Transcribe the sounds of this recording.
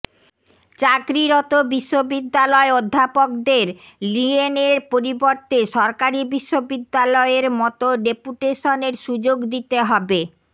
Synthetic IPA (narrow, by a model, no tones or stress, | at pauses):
t͡ɕakɾiɾɔt̪obiʃːobid̪ːalɔeod̪ʱːapok̚d̪eɾ | lieneɾpoɾiboɾt̪eʃɔɾkaɾibiʃːobid̪ːalɔeɾmɔt̪oɖepuʈeʃoneɾʃud͡ʑoɡd̪it̪eɦɔbe